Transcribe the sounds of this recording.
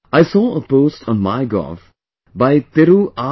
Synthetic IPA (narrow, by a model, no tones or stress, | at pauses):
aɪsɔːəpoːsʈʰɔnmaɪɡɔ̰f | baɪt̪ɪɾuʔa